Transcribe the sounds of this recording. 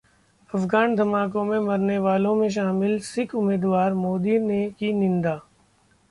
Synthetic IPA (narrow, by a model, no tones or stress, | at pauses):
ɐfɡaːnd̪ʱɐmaːk̬õmẽmɐɾneʋaːlõmẽʃ̬aːmɪlsɪkʰʊmeːd̪ʋaːɾmoːd̪inekinɪ̃nd̪aː